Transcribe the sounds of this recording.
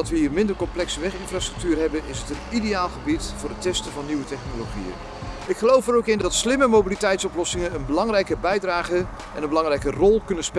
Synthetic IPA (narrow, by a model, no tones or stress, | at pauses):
ɑtʋəɦiːrmɪndərkɔmplɛksəʋɛχɪnfraːstrɵ̥k̚tyːrɦɛbənɪsɦətənidejaːlˠχəbitfʊːrətɛstəvɑnːiʋətɛχnoloχḭjə̰n | ɪkχəlowfəɾowkɪndɑtslɪməmowbilitɛjtsɔplɔsɪŋənənbəlɑŋrɛjkəbɛjdraːχə | ʔɛ̰nənbəlɑŋrɛjkərɔlˠkɵnəspe